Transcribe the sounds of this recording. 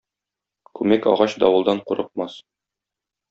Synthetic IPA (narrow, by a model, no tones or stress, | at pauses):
kʉmækɒ̰ʁɑɕd̪ɒwɤ̆lˠd̪ɑɴquɾɤ̆q̚mɑs